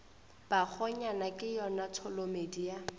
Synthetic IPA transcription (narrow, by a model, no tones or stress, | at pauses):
b̥ak͡xʰɔɲanakʼɪjɔnatʰɔlomedija